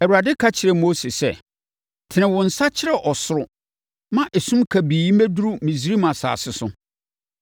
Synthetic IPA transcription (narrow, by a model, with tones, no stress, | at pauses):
ɛ˨wu˨ɾa˨dɪ˦kʰa˦t͡ɕʰɪ˨ɾɛ˨mo˦se˨sɛ˦ | tʰɪ˨nɪ̃˨wʊ̃˨n̩˨sa˦t͡ɕʰɪ˦ɾɛ˨ʔɔ˨sʊ˨ɾʊ˦ | mã˦ʔɛ˨sũ˦mkʰa˨biː˨i˦mæ˦du˦ɾu˦mĩ˨s̬i˨ɾi˦mã˨sa̰ː˨sɪ˨sʊ˦